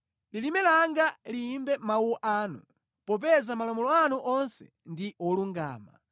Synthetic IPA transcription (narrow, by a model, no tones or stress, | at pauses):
lilimɛlaŋɡaliːmbɛmauɔʔaːnu | pɔp̬ɛzamalɔmɔlɔanuʔɔnsɛ̰ | ndiʔɔluŋɡa̰ːma̰